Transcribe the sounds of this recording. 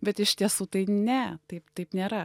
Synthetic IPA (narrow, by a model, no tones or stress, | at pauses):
bʲɛt̪ɪʃt̪ʲiɛsuːt̪ɐɪnʲɛt̪ɐɪpt̪ɐɪpnʲeːɾɐ